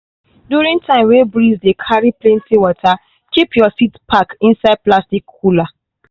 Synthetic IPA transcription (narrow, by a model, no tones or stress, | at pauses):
djuɹĩŋtʰãɪ̃mwebɹizdekʰaɹiplẽntʰiwɔtʰa | kipjɔsitpʰakĩnsaɪd̚plastikːula